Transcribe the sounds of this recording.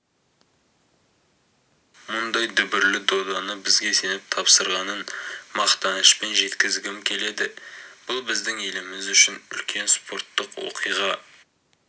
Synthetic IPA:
mʊnd̪ɑjd̪ʏbɪɾlɪd̪o̞d̪ɑnəbɪzɡʲe̞se̞nɪp̚t̪ʰɑpsəɾʁɑnənmɑqt̪ɑnəʃpe̞nʒe̞t̪kʲɪzɡʲɪmkʲʰe̞le̞d̪ɪb̥ʊlˠbɪzd̪ɪŋe̞lɪmɪzʏʃɪnʏ̰lkʲʰe̞nspʰo̞ɾt̪ːəqwo̰qʰijʁɑ

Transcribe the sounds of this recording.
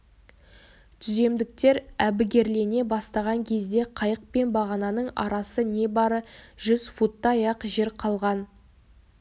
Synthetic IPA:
t̪ʰʏze̞md̪ɪk̚t̪e̞ɾæbɪɡʲe̞ɾle̞ne̞bɑst̪ɑʁɑŋkʲʰe̞zd̪e̞qʰɑjəq̚pe̞nbɑʁɑnɑnəɴɑ̰ɾɑsəne̞bɑɾəʒʏz̥fut̪ːɑjɑqʒeɾqʰɑlˠʁɑn

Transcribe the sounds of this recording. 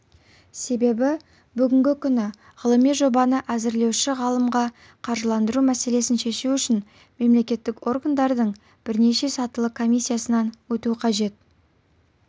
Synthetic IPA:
se̞be̞bɪ | bʏɡʲɪŋɡʲɪkʲʰʏnɪ | ʁəlˠəmijʒo̞bɑnəʔæzɪɾle̞wʃɪʁɑlˠəmʁɑ | qʰɑɾʒəlˠɑnd̪əɾumæse̞le̞sɪnʃe̞ʃuwʏʃɪn | me̞mle̞kʲe̞t̪ːɪkwʔo̞ɾɡand̪ɑɾd̪əɴ | b̥ɪɾne̞ʃe̞sɑt̪əlˠəkʰo̞mijsʲːijasənɑnwɵt̪uqʰɑʒe̞t̪̚

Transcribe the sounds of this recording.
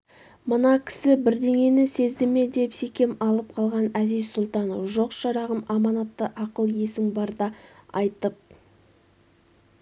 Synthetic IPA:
mənɑkʲʰɪ̥sɪbɪɾd̪e̞ŋe̞nɪse̞zd̪ɪme̞d̪e̞pse̞kʲe̞mɑlˠəp̚qʰɑlˠʁɑnæzizsʊlˠt̪ɑnəfʒo̞qʃɑɾɑʁəmɑmɑnɑt̪ːəʔɑqəlˠje̞sɪŋbɑɾd̪ɑɑjt̪əp̚

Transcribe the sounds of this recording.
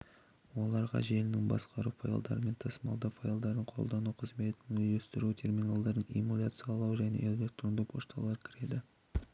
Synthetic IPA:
wo̞lˠɑɾʁɑ̰ʒe̞lɪnɪŋbɑ̰sqɑɾufaj̰lˠd̪ɑ̰ɾəme̞nt̪ʰɑsmɑ̰lˠd̪ɑfajlˠd̪ɑɾəɴqʰo̞̰lˠd̪ɑnuqʰəzme̞t̪ɪnɵzɵst̪ɪɾut̪ʰe̞rmʲinalˠd̪ɑɾd̪əɴḭmːulʲat̪sɨjɑlˠɑwʒæjnḛʔɵzbʲekt̪ɾond̪əpʰoʃt̪ɑ̰lˠɑɾəkʲʰɪɾe̞d̪ɪ

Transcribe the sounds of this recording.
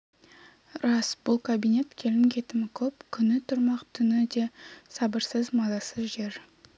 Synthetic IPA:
ɾɑsbʊlˠkʰabijne̞t̪kʲʰe̞lɪŋkʲʰe̞t̪ɪmɪkʲʰɵp̚kʲʰʏnɪt̪ʰʊɾmɑqt̪ʰʏnɪd̪e̞sɑbəɾsəzmɑzɑsəzʒe̞ɾ

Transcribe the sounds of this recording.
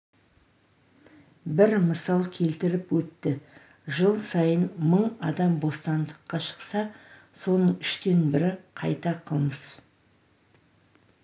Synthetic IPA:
bɪɾməsɑlˠkʲʰe̞lt̪ɪɾɪpwɵt̪ːɪ | ʒəlˠsɑjənməɴɑd̪ɑmbo̞st̪ɑnd̪əqːɑʃə̥qsɑ | so̞nəɴʏʃt̪e̞nbɪɾɪqʰɑ̰jt̪ɑqʰəlˠməz

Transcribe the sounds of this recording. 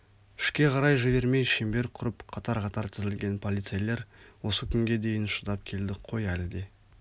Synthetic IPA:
ɪ̥ʃkʲe̞qʰɑɾɑjʒɪve̞ɾme̞jʃembe̞ɾqʰʊɾəpqʰɑt̪ɑɾqɑt̪ɑɾt̪ʰɪzɪlɡʲe̞npʰolˠit̪sejle̞ɾwo̞səkʲʰʏŋɡʲe̞d̪e̞jɪnʃəd̪ɑp̚kʲʰe̞ld̪ɪqʰo̞jælɪd̪e̞

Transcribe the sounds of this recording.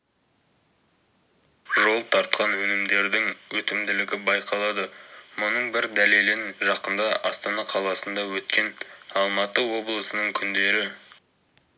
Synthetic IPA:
ʒo̞lˠt̪ʰɑɾt̪̚qʰɑnwɵnɪmd̪e̞ɾd̪ɪŋwɵt̪ɪmd̪ɪlɪɡʲɪbɑjqɑlˠɑd̪əmʊnəɴbɪɾd̪æle̞lɪnʒɑqənd̪ɑʔɑst̪ɑnɑqʰɑlˠɑsənd̪ɑwɵt̪kʲe̞nɑlˠmɑt̪əwo̞blˠəsənəɴkʲʰʏnd̪e̞ɾɪ

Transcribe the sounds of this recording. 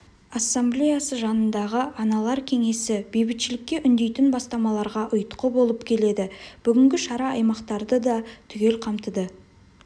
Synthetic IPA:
asːamblʲejasəʒɑnənd̪ɑʁəʔɑnɑlˠɑɾkʲʰe̞ŋe̞sɪb̥ejbɪt̪ʃɪlɪkʲːe̞ʔʏnd̪e̞jt̪ɪnbɑst̪ɑmɑlˠɑɾʁɑʔʊjt̪qəbo̞lˠəpkʲʰe̞le̞d̪ɪb̥ʏɡʲɪŋɡʲɪʃɑɾɑɑjmɑqt̪ɑɾd̪əd̪ɑt̪ʰʏɡʲe̞lqʰɑmt̪əd̪ə

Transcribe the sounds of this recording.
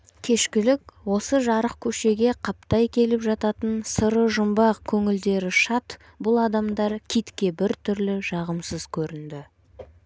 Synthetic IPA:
kʲʰe̞ʃkʲɪlɪkwo̞səʒɑɾəqkʲʰɵʃe̞ɡʲe̞qʰɑp̚t̪ɑjkʲʰe̞lɪpʒɑt̪ɑt̪ənsəɾəʒʊmbɑqkʲʰɵŋɪld̪e̞ɾɪʃɑt̪ | bʊlˠɑd̪ɑmd̪ɑɾkʲʰijt̪kʲe̞bɪɾt̪ʰʏɾlɪʒɑʁəmsəz̥kʲʰɵɾɪnd̪ɪ

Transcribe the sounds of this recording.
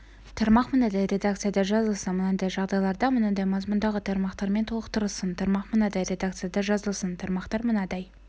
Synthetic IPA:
t̪ʰɑɾmɑqmənɑd̪ɑjɾe̞d̪akt̪sɨjad̪ɑʒɑzəlˠsənmənɑd̪ɑjʒɑʁd̪ɑjlˠɑɾd̪ɑmənɑd̪ɑjmɑzmʊnd̪ɑʁət̪ʰɑɾmɑqt̪ɑɾme̞nt̪ʰolˠəqt̪əɾəlˠsənt̪ʰɑɾmɑqmənɑd̪ɑjɾe̞d̪ak̚t̪sɨjad̪ɑʒɑzəlˠsənt̪ʰɑɾmɑqt̪ɑɾmənɑd̪ɑj

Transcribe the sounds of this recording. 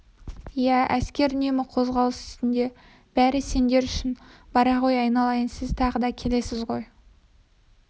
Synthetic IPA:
ijææskʲe̞ɾʏnemɪqʰo̞zʁɑlˠəsɪ̥st̪ɪnd̪e̞ | b̥æɾɪse̞nd̪e̞ɾʏʃɪnbɑɾɑʁo̞jɑjnɑlˠɑjənsɪzt̪ʰɑʁəd̪ɑkʲʰe̞le̞sɪzʁo̞j

